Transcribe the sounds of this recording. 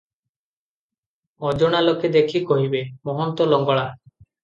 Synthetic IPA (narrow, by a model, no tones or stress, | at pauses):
ɔd͡ʒoɽ̃aloked̪ekʰikɔɦibemɔɦɔnt̪ɔlɔŋɡɔɭa